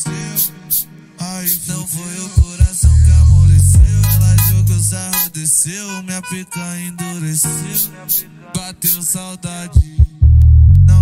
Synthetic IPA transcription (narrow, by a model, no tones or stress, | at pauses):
e | aĩt̪ɐ̃w̃vojewkoɾasɐ̃w̃pamoɾesewɛlad͡ʒewkozaɦõd̪esewmeapekuaĩd̪oɾesew | bat̪ewsawd̪ad͡ʒi | nɐ̃